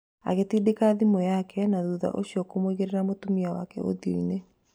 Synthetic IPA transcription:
a̰ɣetiːdekaðimɔjakɛnaðuːða̰ʔoɕiɔkomwiɣeɾeɾamotomiawa̰kɛ̰ʔo̰ðio̰ine

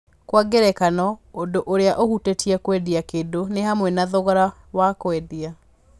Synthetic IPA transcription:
kwaɡeɾɛkanɔondoʔoɾeaʔohutetiɛkwɛdiakedonehamwɛnaðoɣɔɾa | wakwɛdia

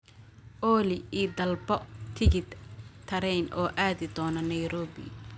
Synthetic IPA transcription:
ʔɔːlɪiːd̪ɐlbɔt̪ʰɪɣɪt̪t̪ʰɐɾɛjnʔɔːʔaːðɪd̪ɔːnɐnɐjɾɔːbɪ̰

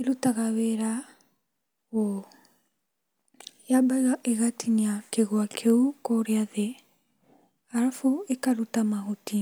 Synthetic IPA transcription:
eɾutaɣawɛɾa | ɣo | jabaiɣaʔeɣatʰiɲiakeɣwakʰeukoɾeaðe | aɾafoekaɾutamaɦoti

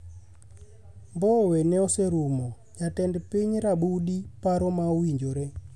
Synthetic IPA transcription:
mbɔwɛnɛɔsɛɾumɔ | ɲatɛndɛpeɲiɾaɓuɗipaɾɔmauiɲd͡ʒoɾɛ

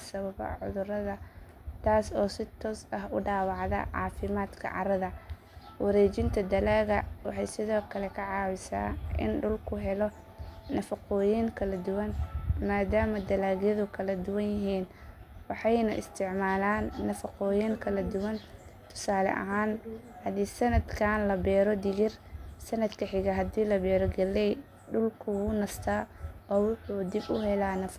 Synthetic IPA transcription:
sɐβɐβɐ̰ʕʊ̰ðʊɾɐðɐ | t̪ʰaːsɔːsɪt̪ʰɔːsɐɦʊɖaːwɑʕðɐ̰ʕɑːfɪmaːd̪kʰɐ̰ʕɑ̰ɾɐðɐ | wɐɾɛːt͡ʃɪnt̪ʰɐd̪ɐlaːɣɐwɑħɑjsɪðɔːkʰɐlɛkʰɐʕɑːwɪsa̰ːʔɪ̰nɖʊlkʰʊɦɛlɔː | ɐfɐqɔːjɪŋkʰɐlɐd̪ʊwɐnmaːd̪aːmɐd̪ɐlaːɣjɐðʊkʰɐlɐd̪ʊwɐnjɪɦiːnwɑħɑjnɐʔɪ̰st̪ʰɪʕmaːlaːnːɐfɐqɔːjiŋkʰɐlɐd̪ʊwɐnt̪ʰʊ̥saːlɛ̰ʔɐ̰ɦaːnhɐd̪iːsɐnɐd̪kʰaːnlɐbɛːɾɔd̪ɪɣɪrsɐnɐd̪kʰɐħɪɣɐɦɐd̪iːlɐbɛːɾɔɡɛlɛj | ɖʊlkʰʊwʊnɐst̪ʰaːɔːwʊħuːd̪ɪbʊɦɛlaːnɐf

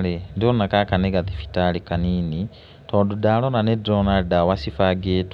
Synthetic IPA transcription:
lendionakakaneɡaðifi̥talikaniːni | toːdudalonanedɾonaldawasifaɡeːtu

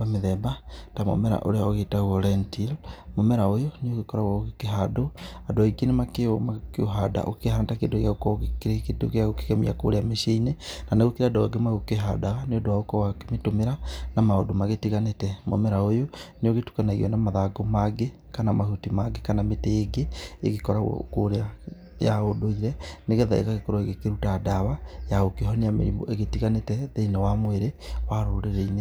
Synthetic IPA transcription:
ameðɛbatamo̰mɛɾa̰ʔo̰ɾeaoɣetaɣɔlɛntilmomɛɾaojoneoɣekɔɾaɣaɣoɣekeɦadoadoaikenemakemakeoɦada̰ʔo̰kehaːntakedoɣeaokɔɣekeɾekedo̰ɣeaɣoke̥kɛmḭa̰ko̰ɾeameʃeinenanaɣokeɾadowaɡemaɣokeɦadaɣaneɔdoaokɔwakemetomeɾanamaodomaɣetiɣanetɛmo̰mɛɾaojoneoɣetu̥kanaeɣḭɔnamaðaɡɔmaɡe | kanamahutimaɡekanametɛeɡeḛɣekɔɾa̰koɾea | jaodoiɾɛneɣɛðaḛɣaɣekoɾoeɣekeɾutadaβajaokeɦɔneamḛɾimo̰ʔeɣetiɣanetɛðeinawamweɾewaɾoɾeɾeine

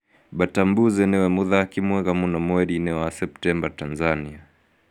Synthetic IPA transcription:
ɓatambuzɛnɛwɛmuðakimwɛɣamunamwɛɗinɛwasɛp̚tɛmbatanzania

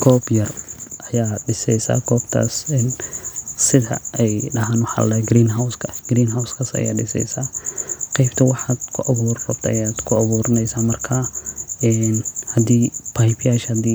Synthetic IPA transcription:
kʰɔːbjɐrʔɐjaːɖɪsɛjsa̰ːkʰɔːbt̪ʰa̰ːsɛn | sɪðɐ̰ɛjɖɐɦaːnwʊħɑ̰ːlɛɡɾiːnɦawskʰɐ̥ɡ̥ɾiːnɦawskʰaːsɐ̰ja̰ːɖɪsɛ̰jsaːqɛjbt̪ʰɐwɑħaːd̪kʰʊʔɐβuːrrɔbt̪ʰɐ̰jaːd̪kʰʊɐβuːɾɐnɛjsaːmɐrkʰaɛnhɐd̪iːpʰajbjaːʃhɐd̪iː

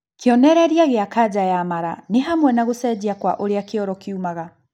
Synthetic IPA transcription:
keɔnɛɾɛɾiaɣeakad͡ʑajamaɾa̰neɦamwɛnaɣosɛd͡ʑiakwa̰ʔoɾeakeɔɾɔkeumaɣa

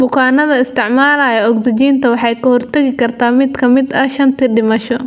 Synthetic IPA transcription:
bʊkʰaːnɐðɐɪst̪ʰɪʕmaːlaːjɐɔɡd̪ɪt͡ʃiːnt̪ʰɐwɑħɑjkʰɐhɔrt̪ʰɐɣɪkʰɐrt̪ʰaːmɪkʰɐmɪd̪ɐʃɐnt̪ʰiɖɪmɐʃɔ

